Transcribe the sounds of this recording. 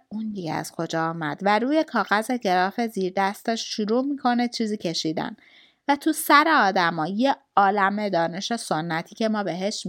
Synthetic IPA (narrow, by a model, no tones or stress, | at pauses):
und̪iɡḛæ̰z̥kʰo̞d͡ʒɒːɒːmæd̪̥væɾuːje̞kʰɒːɣæzeɡe̞ɾɒːfeziːɾd̪æst̪eʃʃuɾuːmikʰo̞net͡ʃʰiːziːcʰe̞ʃiːd̪æ̰n | væt̪ʰusæɾeɒːd̪æmɒːje | ɒːlæme̞d̪ɒːne̞ʃe̞so̞nːæt̪ʰiːcʰe̞mɒːbe̞ɦe̞ʃ